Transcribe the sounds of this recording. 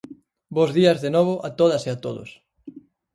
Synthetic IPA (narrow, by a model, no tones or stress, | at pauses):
bozðiɐzðenɔβ̞ʊʔat̪oð̞ɐseat̪oðo̰s